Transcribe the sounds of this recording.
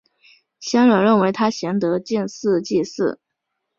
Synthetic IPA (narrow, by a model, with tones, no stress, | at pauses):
ɕjɑ˥nɻə˨˩nɻə˥˩nwe˧˥ɪt̪ʰa˥ɕjɛ˧˥nt̪ɤ˧˥t͡ɕɛ˥˧nsɹ̩˥˧t͡ɕi˥˧sɹ̩˥˩